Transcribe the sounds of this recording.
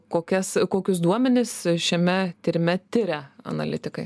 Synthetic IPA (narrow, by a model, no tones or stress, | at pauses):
koːkʲɛskoːkʲʊs̬d̪uɔmʲɛnʲɪsʃʲɛmʲɛt̪ʲɪɾʲmʲɛt̪ʲɪɾʲɛɐ̰nɐ̰lʲɪ̰t̪ʲɪkɐɪ